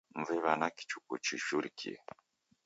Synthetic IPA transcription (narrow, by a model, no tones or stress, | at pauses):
ɱvɛβanaki̥t͡ʃukṵt͡ʃiʃuɾikḭḛ